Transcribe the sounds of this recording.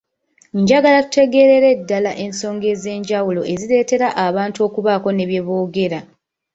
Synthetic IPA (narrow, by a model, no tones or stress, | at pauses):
ɲɟaɡalatu̥te̞ɡe̞ɾeɾe̞dːalaʔe̞nso̞ːŋɡe̞ze̞ːɲɟawulo̞ʔe̞ziɾe̞ːte̞ɾaʔaβaːntuo̞ːkuβaːko̞ne̞βje̞βo̞ːɡe̞ɾa